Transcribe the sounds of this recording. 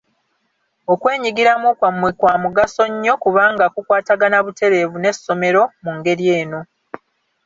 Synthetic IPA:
okwe̞ːɲiɡiɾamukwamːwikwaːmuɡaso̞ɲːo̞kuβaːŋɡakukwaːtaɡanaβute̞ɾe̞ːvune̞sːo̞me̞ɾo̞muŋɡe̞ɾjeːno̞

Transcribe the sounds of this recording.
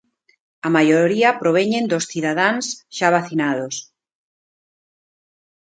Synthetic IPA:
amajoɾiɐpɾoβ̞ɛɲẽnd̪osθiðaðansʃaβaθinaðos

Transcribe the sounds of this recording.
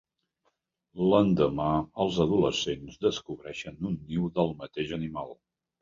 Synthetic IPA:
lənd̪əmaəlˠzəðuləsenzðəskuβɾɛʃənunːiwðəlˠmət̪eʒənimalˠ

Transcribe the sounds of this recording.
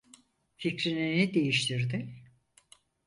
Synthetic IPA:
ficɾininid̪e̞jiʃt̪ʰiɾd̪ɪ

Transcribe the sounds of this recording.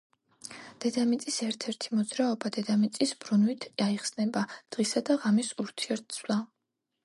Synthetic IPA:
d̪̥ɛd̪amit̪sʼisɛɾt̪ʰɛɾt̪ʰimɔd̪zɾaɔbad̪ɛd̪amit̪sʼisbɾunwit̪ʰaiχsnɛbad̪̥ʁisad̪aʁamisuɾt̪ʰiɛɾt̪̚sʰvlˠa

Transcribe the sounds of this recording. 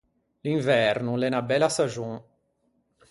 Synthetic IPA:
lĩɱvɛɾnulɛnabɛlasaʒũ

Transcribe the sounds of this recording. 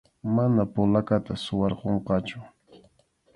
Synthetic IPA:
manapʊlakat̪asʊwɑɾqoɴqɑt͡ʃʊ

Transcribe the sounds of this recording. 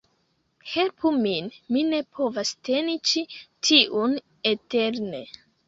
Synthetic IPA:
helpʰuminmine̞pʰo̞vaste̞nit͡ʃitʰiʔun | eteɾne̞

